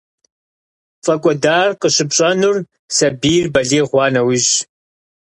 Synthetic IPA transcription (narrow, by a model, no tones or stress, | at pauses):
fʼɐkʷʼɔdaːrqəɕɪpɕʼɐnʊr | sɐbiːrbɐɮeːʁʷɑːnɐwiʑ